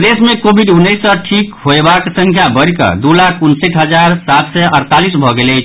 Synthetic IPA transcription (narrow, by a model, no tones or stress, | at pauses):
d̪esmekobʱiɖunːəjsəʈʰikkɦoebaksə̃ŋkʰjabəɽkə̰d̪ulakʰunsəʈɦəd͡ʒaɾsat̪sɛʔəɾt̪alisbʱɔɡelɛt͡ʃʰ